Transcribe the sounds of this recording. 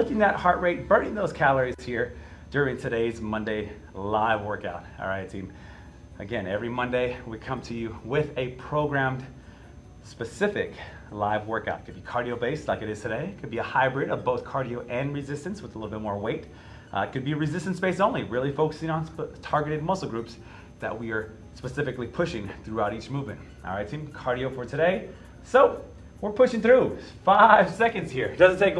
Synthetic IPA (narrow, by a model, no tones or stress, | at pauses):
lʊkɪ̃ŋðɨt̚hɑɹʔ̚ɹeɪt̚b̥ɜ̃˞nɪ̃ŋðoʊz̥kʰælˠə˞iz̥hiɹ | d̥ʊɹɪ̃ŋtʰɨɾeɪzmʌ̃ndeɪ | laɪvwɜ˞kaʊt̚ˠɹaɪtsĩn | ɨɡɛ̃nɛvɹimʌ̃ndeɪwikʰʌ̃mtʰɨjʉwɪðɨpʰɹ̥oʊɡɹæ̃m | spɨsɪfɪk | laɪvwɜ˞ka̰ʊt̚kʰɨd̚bikʰɑɹɾioʊbeɪslaɪkɨɾɨz̥tʰɨɾeɪkʰɨd̚biɨhaɪbɹɪɾʌvboʊθkʰɑɹɾioʊʔɨ̃nɹɨzɪstɨ̃nswəðəlɪɾl̩ˠbɪt̚mɔɹweɪt | kʰɨd̚biɨɹɨzɪstɨ̃n̩sb̥eɪsõʊ̃nliɹɪlˠifoʊkɨ̥sɪ̃ŋə̃ntʰɑɹɡɨɾɨd̚mʌsl̩ˠɡɹʉps | ðɨ̰ʔ̚wiə˞ | spɨsɪfɨklipʰʊʃɪ̃ŋθɹuaʊɾit͡ʃmuvmɨ̃ntɹaɪtʰĩmkʰɑɹɾioʊfə˞tʰɨɾeɪ | soʊ | wɪɹpʰʊʃɪ̃ŋθɹʉ | faɪv̥sɛkɨ̃ndz̥hiɹd̥ʌzɨ̃ntʰeɪk